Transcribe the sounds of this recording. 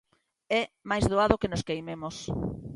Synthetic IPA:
ɛmajzðoaðʊkenʊskejmemʊs

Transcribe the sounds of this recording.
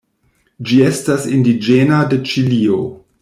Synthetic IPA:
d͡ʒiestasindid͡ʒenadet͡ʃilio

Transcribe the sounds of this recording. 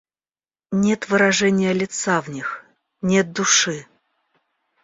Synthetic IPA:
nʲet̪vɨɾɐʐɛnʲɪjəlʲɪt̪savnʲix | nʲet̪̚d̪ʊʂɨ

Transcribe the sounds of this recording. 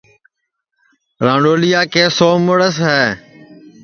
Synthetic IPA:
ɾãːɳɖoːlijaːkeːsoːmʊɽəsɦɛː

